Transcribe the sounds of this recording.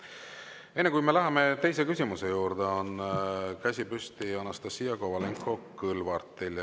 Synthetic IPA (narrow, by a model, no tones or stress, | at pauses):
e̞nːekujmelæɦɑmet̪e̞js̬e̞kysʲimusejuːɾd̪̥eo̞nkæsʲipyst̪iɑnɑst̪ɑsiɑkovɑleŋkʰːˑo̞kɯlvɑrt̪ːˑilʲ